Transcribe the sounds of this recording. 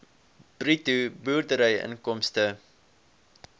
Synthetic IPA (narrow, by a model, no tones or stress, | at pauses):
b̥rituburdəɾəjə̰nkɔmstə